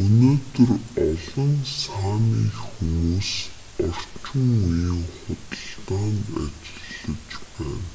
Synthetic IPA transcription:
ɵnoːt̪ɵ̆rɔɮɞ̆ŋsaːniːxumuːs | ɔr̥t͡ɕɪ̆ŋujə̆ŋχʊt̪ə̆ɮtaːna̰t͡ɕɪ̥̆ɮə̆kt͡ɕpæːn

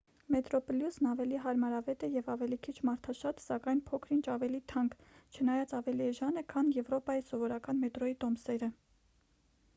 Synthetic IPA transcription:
mɛt̪ɾɔpɔljusnɑvɛliɦɑɾmɑɾɑvɛt̪ɛjɛvɑvɛlikʰit͡ʃʰmɑɾt̪ʰɑʃɑt̪sɑkɑjnpʰɔkʰɾint͡ʃʰɑvɛlit̪ʰɑŋkt͡ʃʰənɑjɑt͡sɑvɛliɛʒɑnɛkʰɑnjɛvɾɔpɑjisɔvɔɾɑkɑnmɛt̪ɾɔjit̪ɔmsɛɾə

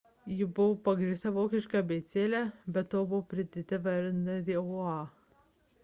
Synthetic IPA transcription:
jɪbʊʋopɐɡɾʲiːsʲt̪ɐʋoːkʲɪʃʲkɑbʲɛɪt̪sʲeːlʲæbʲɛt̪t̪ːoːbʊʋpʲɾʲɪd̪ʲɪt̪ʲɪʋɐɾʲnɐd̪ʲeːʊɑː

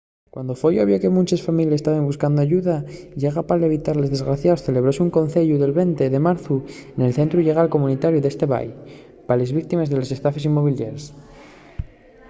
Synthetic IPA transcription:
kwand̪ofojoβjoke̞mũnt͡ʃesfamiljasest̪aβembuskand̪oaʝuðaiekapaleβit̪aɾle̞zðe̞zɣɾaθjaosθe̞le̞βɾoseuŋko̞nθe̞ʎuðe̞lβe̞nt̪e̞ðe̞maɾθuene̞lθe̞nt̪ɾuʎe̞ɣ̞alko̞munit̪aɾjuðe̞st̪e̞βa̰j | pale̞zβik̚t̪imezðe̞lo̞se̞st̪afe̞s̬imːo̞β̞iljeɾs

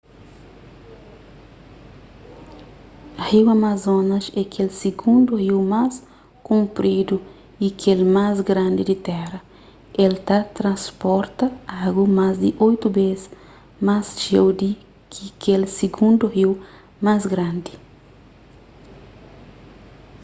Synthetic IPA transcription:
hiwamazõnɐʃɛkʰelsiɡũnd̪uhiwmas | kũmpɾid̪u | ikʰelmazɡɾãnd̪id̪it̪ɛɾɐ | elt̪at̪ɾɐ̃spɔɾt̪ɐaɡumazd̪iʔojt̪ubez | masʒewd̪i | kʰikelsiɡũnd̪uhiw | mazɡɾãnd̪i

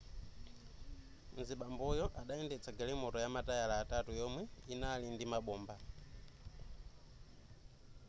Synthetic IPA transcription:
n̩ziɓambɔjɔʔaɗaɛndɛt͡sʰaɡalimɔtɔjamatajalaːtatujɔmwɛinalindimaɓɔːmba

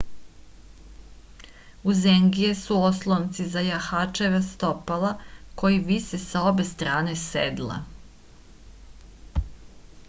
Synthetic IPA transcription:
uzeŋɡijesuoslˠont̪sizajaxat͡ʃeʋast̪opalako̞jiʋisesao̞be̞st̪ɾaːne̞sḛd̪lˠa̰

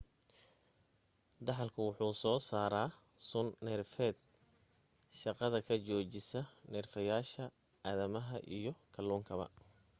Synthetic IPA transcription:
d̪ɑħɑlkʰʊwʊħuːsɔːsaːɾaː | sʊnːɛrfɛːd̪̚ | ʃɑqɑðɐkʰɐt͡ʃɔːt͡ʃɪsɐnɛːrfɐjaːʃɐ | aːðɐmɐɦɐʔḭjɞkʰɐluːŋkʰɐβɐ̰

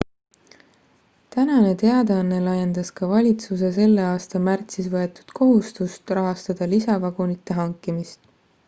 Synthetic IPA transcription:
t̪ænɑne̞t̪e̞ɑd̪eɑnːe̞lɑjend̪̥ɑskɑvɑlʲit̪suse̞se̞lːe̞ɑːst̪ɑmært̪sisvɤe̞t̪ːu̥d̪̥ko̞ɦust̪ust̪rɑɦɑst̪ɑd̪̥ɑlisɑvɑɡ̥onit̪ːˑe̞ɦɑŋkimist̪

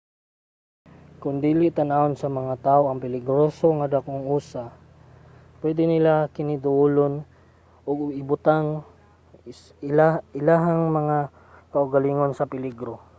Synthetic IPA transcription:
kʊnd̪iːlɪʔt̪anaonsɐmɐŋat̪aːʔoʔɐŋpɪlɪɡɾosoŋad̪akoŋuːsa | pwɛd̪ɪnɪlakɪnɪd̪ʊulon | ʔʊɡɪbʊt̪aŋ | ɪaɪlaɦaŋmɐŋa | kaʔʊɡaliŋonsɐpɪlɪɡɾo

